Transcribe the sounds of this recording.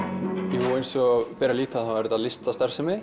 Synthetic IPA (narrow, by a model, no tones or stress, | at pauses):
jɛhuejnsɔpɛːɾaliːt̪ʰaðawvɛɾɪt̪aðlɪst̪ast̪ɛr̥sɛmɪ